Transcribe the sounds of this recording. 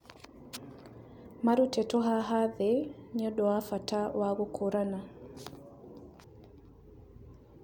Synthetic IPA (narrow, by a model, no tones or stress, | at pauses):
maɾutɛtɔɦaɦaðɛɲɔɗɔwafatawaɣukʰuɾana